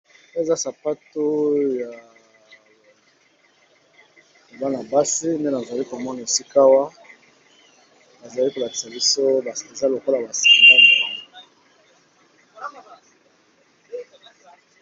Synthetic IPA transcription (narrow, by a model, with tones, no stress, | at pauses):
e˦˨za˦sa˨pa˦to˦ja˨ | ba˦na˨ba˦si˦nde˦na˨za˨li˦ko˨mɔ˦na˨e˨si˦ka˦wa˦ | a˨za˨li˦ko˨la˨ti̥˨sa˨bi˦so˦˨e˨za˦lo˨ko˦la˨ba˨si̥˨i˨mda˦˨mo˨la˦n˨